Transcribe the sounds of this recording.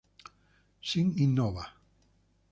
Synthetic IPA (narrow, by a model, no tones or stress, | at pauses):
siŋinːoβa